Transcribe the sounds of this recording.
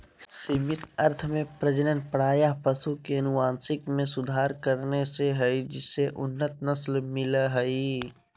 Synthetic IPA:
siːmɪt̪ɐɾt̪ʰmẽpɾəd͡ʒənənpəɽ̤aːjaɦpɐsukeɐnʊʋãːnsɪkmẽsʊd̪ʱaːɾkəɾneseɦəid͡ʒɪsːeʔʊnːət̪nɐslmɪlaɦɐi

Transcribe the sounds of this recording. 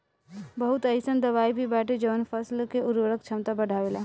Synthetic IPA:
bəɦut̪əjsənd̪əβaibʱibaʈed͡ʒəʋənpʰəslkeʔuɾəɾəkt͡ʃʰəmt̪abəɖʱabela

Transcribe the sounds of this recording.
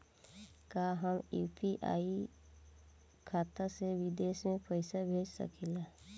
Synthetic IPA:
kaːɦəmjṵːpʰiʔa̰ːi | kʰaːt̪aseʋɪd̪eːʃmẽpəɪsabʱeːd͡ʒsə̰kʰila

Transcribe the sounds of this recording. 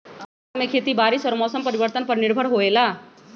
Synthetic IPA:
tmekʰet̪iːbaɾiːsɔɾmɔsəmpəɾibəɾt̪ənpəɾniɾbʱəɽɦoela

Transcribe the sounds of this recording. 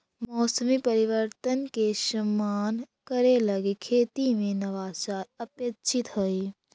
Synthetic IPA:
mɔːsəmipəɾiʋəɾt̪ənkeʃɐmːaːn | kəɾelɐɡekʰeːt̪imẽnɐʋaːt͡ʃaːɾəpjəkt͡ʃʰit̪ɦoe

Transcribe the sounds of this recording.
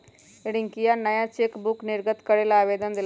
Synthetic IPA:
eɽɪŋkijanəjãt͡ʃekbʊknɪɾɡət̪kəɽeːlaːʋeːd̪ənd̪ɪl

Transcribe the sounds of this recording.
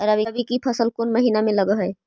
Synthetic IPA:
əɾəbibikipʰɐsəlkoːnmɐɦiːnamẽləɡəɦɛː

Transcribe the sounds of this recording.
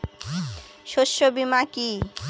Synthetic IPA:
ʃoʃːobimaki

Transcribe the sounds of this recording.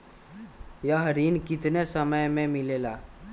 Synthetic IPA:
jaɦəɾiːnkɪt̪nesəməjmẽmɪleːlaː

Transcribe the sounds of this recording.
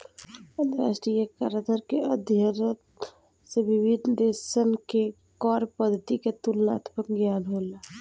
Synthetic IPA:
ə̃nt̪əɾa̰ːʃʈɾijəkaɾəd̪əɾkeəd̪ʱjəɾ | seʋibid̪d̪eʃənke | kɔːɾpəd̪ʱːət̪iket̪ulna̰ːt̪ʰpəkɡjaːnɦoːla

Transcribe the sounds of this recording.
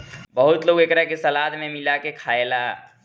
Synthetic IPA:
bəɦʊt̪loːɡekɾakesəlaːd̪mẽmɪlakekʰaːela

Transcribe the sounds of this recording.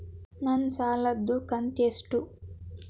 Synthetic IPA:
nɐnsaːlɐd̪ːukɐnt̪esʈu

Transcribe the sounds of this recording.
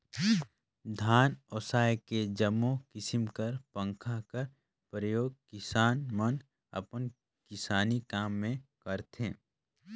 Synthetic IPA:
d̪ʱaːnoːsaːjked͡ʒəmːokɪsɪmkəɾpə̃ŋkʰakəɾ | pɾəjoːɡ̚kɪsaːnmən | ɐ̰pən | kɪsaːnikaːmːẽkəɾt̪ḛ̃ː

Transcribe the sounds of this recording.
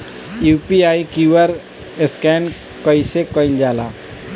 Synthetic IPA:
juːpiaːikiwəɾ | ɪskɛːn | kəisekəɪld͡ʒaːla̰ː

